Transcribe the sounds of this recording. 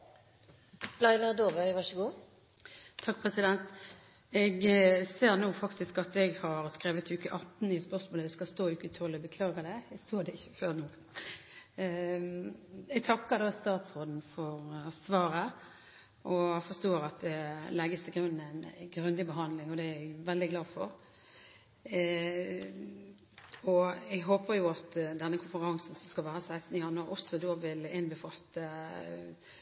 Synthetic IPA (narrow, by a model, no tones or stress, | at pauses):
b̥lɑɪlɑd̪oːʋœʋɑʂəɡuː | t̪ʰɑk̚ːpʰʁɛsɪd̪ɛnt̪ | ɛɡseːʁnuːfɑkt̪ɪskɑt̪ɛɡhɑɾskɾeːʋət̪ʰʉːkəʔɑt̪n̩ɪspœʁsmoːləd̪ɛskɑst̪oːʉːkːət̪ʰɔlːəbəkʰlɑːɡəd̪ɛɛɡsoːd̪ɛɪçːə̥føːʁnuː | ɛɡ̚t̪ʰɑkːəd̪ɑst̪ɑːt̪sʁoːd̪n̩fɔɾsʋɑːɾə | ʔɔfɔst̪oːɾɑt̪̚d̪ɛlɛɡəst̪ʰɪlɡɾʉnːæɪnɡɾʉnd̪ɪbəɦɑnd̪lɪŋɔd̪ɛæɡʋɛld̪ɪɡlɑːfɔɾ | ɔɛɡɦoːpəɾjʊɑt̪d̪ɛnːəkʰʊnfəɾɑŋsn̩sɔskɑlʋæːɾəsæɪst̪n̩jɑnəʔɔsɔd̪oːʋɪlɪnbəfɑlt̪ə